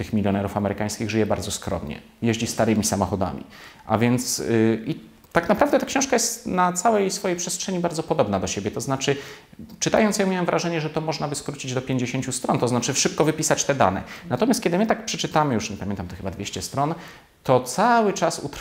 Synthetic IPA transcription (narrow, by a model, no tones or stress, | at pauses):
t̪ɘxmʲilʲjɔnɛɾufamɛɾɘkaj̃skʲiɣʐɘjɛbaɾdzɔskɾɔ̰mɲɛ̰ | jeʑd͡ʑist̪aɾɘmʲisamɔxɔd̪a̰mʲḭʔa̰vʲjɛnt̪si | t̪ːaknapɾavd̪ɛt̪akɕɔ̃w̃ʂkajɛst̪nat̪sawɛjsfɔjejpʂɛstʂɛɲibaɾd̪zɔpɔd̪ɔbnad̪ɔɕebʲjɛt̪ɔznat͡ʂɘ | t͡ʂɨt̪a̰jɔnt̪sjɛmʲjawɛmvɾʔaʐɛɲɛʐɛt̪ɔmɔʐnabɘskɾut͡ɕid͡ʑd̪ɔpʲjeɲd͡ʑeɕeɲt͡ɕust̪ɾɔnt̪ɔznat͡ʂɘʂɘp̚kɔvɘpʲisat͡ɕt̪ɛd̪a̰nɛ̰nat̪ɔmʲast̪kʲɛd̪ɘmɘt̪ak̚pʂɛt͡ʂɘt̪amɘjuʂɲɛpamjɛnt̪amt̪ɔxɘbad̪vʲeɕt͡ɕɛst̪ɾɔn | t̪ɔt̪sawɘt͡ʂasṵt̪ɾ